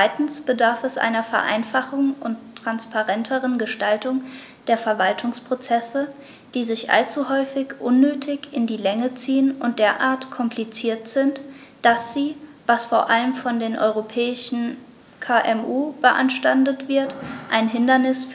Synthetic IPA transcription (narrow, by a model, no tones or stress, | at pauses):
t͡sv̥aɪtn̩sb̥ədaɐfɛsʔa̰ɪnɐfɛɐʔa̰ɪnfaχʊŋʔʊntʰːʁ̥anspaʁɛntʰəʁənɡəʃtaltʊŋ | d̥eːɐfɛɐvaltʰʊŋspʁ̥ot͡sɛsə | d̥iːzɪçʔa̰lt͡suhɔʏfɪçʔʊnːøːtʰɪçɪndiːlɛŋət͡siːənʊnt̚d̥eːɐʔaːɐtkʰɔmpʰlit͡siːɐtz̥ɪntd̥asz̥iːvasfoːɐʔaləmfɔndeːnʔɔ̰ʏʁopʰɛːɪʃn̩ | kʰaʔɛmʔuːb̥əʔa̰nʃtandətv̥ɪɐtʔaɪnɦɪndɐnɪsf